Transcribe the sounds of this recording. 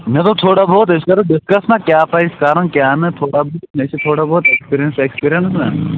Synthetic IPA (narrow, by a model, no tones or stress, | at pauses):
mẽt̪ot̪ʰoːɽaboːt̪eskɐɾoɖɪskɐsnakjaːpaɪskaːɾənkjaːnet̪ʰoːɽabʱoːt̪nesit̪ʰoːɽabɔːt̪ekspiːɾijənsekspiːɾijənsne